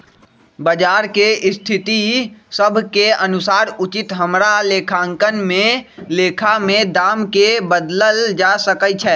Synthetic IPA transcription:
bəd͡ʒaːɾkeʔɪst̪ʰɪt̪isəbʱkeənʊsaːɾʊt͡ʃɪt̪ɦəmɾaleːkʰaːŋkənmẽleːkʰamẽd̪aːmkebəd̪ləld͡ʒasəkəjt͡ʃʰɛː

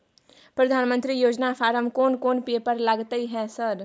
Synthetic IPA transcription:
pɾɐd̪ʱaːnmə̃nt̪ɾijoːd͡ʒnafʰaːɾəmkoːnkoːnpiepɐɾlɐɡt̪iɦɛːsɐɾ

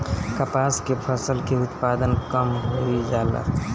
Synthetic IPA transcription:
kəpaːskepʰəsəlkeʊt̪paːd̪ənkəmɦoid͡ʒaːla̰ː

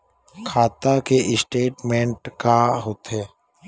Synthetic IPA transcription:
kʰaːt̪akeʔɪsʈeːʈmẽɳʈkaɦoːt̪ɦɛː

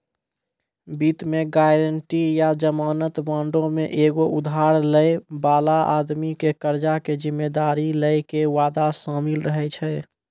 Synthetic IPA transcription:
bit̪meɡajɾəɳʈijad͡ʒəmaːnət̪bãɳɖõmeʔeɡoʔud̪ʱɦaɾləjbalaa̰d̪mikekəɾd͡ʒaked͡ʒimːed̪aɾiləjkeʋad̪asəmilɾəɦɛt͡ʃʰɛ

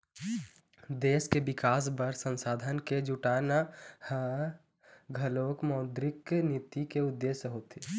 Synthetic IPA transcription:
d̪eːskebɪkaːs̬bəɾsə̃nsaːd̪ʱənked͡ʒʊʈaːnahə | ɡʱəloːkmɔːd̪ɾɪknit̪ikeʊd̪ːeːsəɦoːt̪e

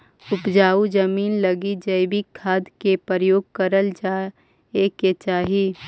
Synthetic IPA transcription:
ʊpd͡ʒaːud͡ʒəmiːnləɡid͡ʒəɪbikʰːaːd̪kepəɾəjoːɡ̚kəɾəld͡ʒaː | eket͡ʃaːɦi

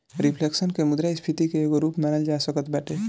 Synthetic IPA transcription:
ɾipʰleksənkemʊd̪ɾaɪspʰit̪ikeeɡoɾuːpmaːnəld͡ʒaːsəkət̪bɛːʈʰeː

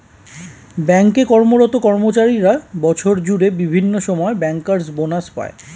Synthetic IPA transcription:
bɛŋkekɔɾmoɾɔt̪okɔɾmot͡ɕaɾiɾabɔt͡ɕʰoɾd͡ʑuɽebibʱinːoʃɔmɔebɛŋkaɾsbonaspa̰e

